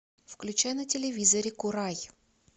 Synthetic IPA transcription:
fklʲʉt͡ɕajnɐtʲɪlʲɪvʲizɐɾʲɪkʊɾaj

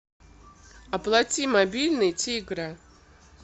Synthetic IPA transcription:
aplˠatʲimabʲilʲnɨjtʲʰiɡɾa

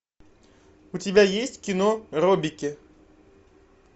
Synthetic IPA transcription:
ʊtʲɪbʲajesʲtʲkʲinorɔbʲikʲɪ

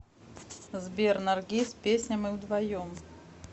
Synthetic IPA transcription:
zbʲɛrnarɡʲisʲpʲesʲnʲɐmiwd̪vajɔm

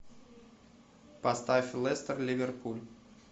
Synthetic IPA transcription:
past̪afʲilˠest̪ərlʲivʲerpʰulʲ

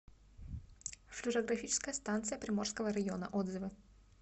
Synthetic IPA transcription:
fʲlʲɪɾəɡɾɐfʲit͡ɕɪ̥skəjəst̪ant̪sɨjəpɾʲɪmorskəvəɾɐɡʲɪonə̰ʔod̪zɨvɨ

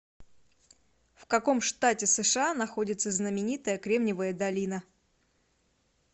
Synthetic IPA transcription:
fkɐko̞mʂt̪atʲɪsɨʂɨanɐxo̞dʲɪt̪səznəmʲɪnʲit̪əjəkɾʲe̞mnʲɪvəjəd̪ɐlʲinə

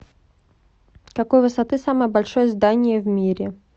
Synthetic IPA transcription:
kɐkojvɨsɐt̪ɨsaməjəbalʲʂojəzd̪anʲɪjəvmʲiɾʲɪ

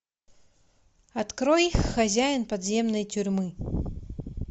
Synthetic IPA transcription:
at̪kɾɔjixːazʲajnpad̪zʲɛmnɐjt͡sʲurʲmɨ

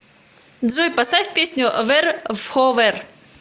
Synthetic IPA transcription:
d̪zɔjpɐst̪afʲpʲesʲnʲʊvɛrvxɔvɛr

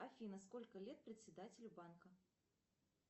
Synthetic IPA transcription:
afʲiːnɐsko̞lʲkəlʲet̪̚pɾʲɪt̪ʲsʲɪd̪atʲɪlʲʊbankə

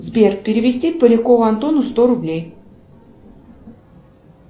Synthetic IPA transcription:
zbʲerk̚pʲɪɾʲɪvʲɪsʲtʲit̪̚pəlʲɪkovʊɐnt̪onʊst̪oɾʊblʲej

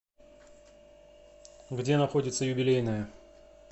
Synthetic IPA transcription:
ɡdʲe̞nɐxo̞dʲɪt̪səjʊbʲɪlʲejnəjə

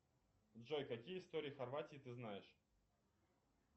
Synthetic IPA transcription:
dʐojkɐkʲijəɪst̪o̞ɾʲɪjəxɐrvatʲɪjət̪ɨznajɪʂ

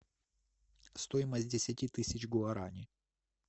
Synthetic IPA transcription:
st̪ojɪməsʲt̚ʲdʲɪsʲatʲit̪ɨsʲɪt͡ɕɡʊɐɾanʲɪ

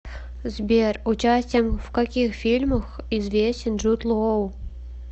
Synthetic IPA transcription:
zʲbʲerʲut͡ɕasʲtʲɪəmvkakʲixfʲilʲmə̆xizvʲesʲt͡ɕʲɪ̆nʐut̪lˠəow

